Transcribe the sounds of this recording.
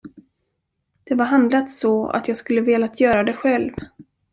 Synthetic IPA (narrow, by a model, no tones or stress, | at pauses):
d̪̥ɛvaɾɦand̪lat̪sɔa̰t̪jɑːɡskɵlːəveːlaːt̪ʰjœːɾad̪ɛɧɛlv